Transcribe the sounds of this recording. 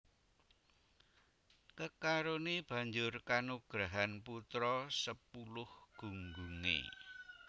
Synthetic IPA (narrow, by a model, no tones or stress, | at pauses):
kəkaɾoneb̥ä̤ɲd͡ʒʊrkanuɡ̥ɾaɦanput̪ɾɔsəpulʊhɡ̥ṳŋɡuŋḛ